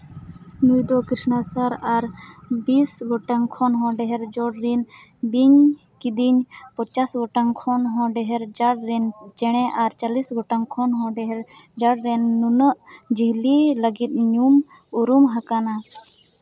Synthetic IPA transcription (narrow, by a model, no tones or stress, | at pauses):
nujd̪ɔkɾisnasaɾaɾbisɡɔʈaŋkʰɔnɦɔ̃ɖɛɦɛɾd͡ʒɔɽɾinbiɲ | kid̪iɲpɔt͡ʃasɡɔʈaŋkʰɔnɦɔ̃ɖɛɦɛɾd͡ʒaɽɾɛnd͡ʒɛɽ̃ɛʔaɾt͡ʃalisɡɔʈaŋkʰɔnɦɔ̃ɖɛɦɛɾd͡ʒaɽɾɛnːunəʔd͡ʒiɦliləɡit̪̚ɲum | uɾumɦakana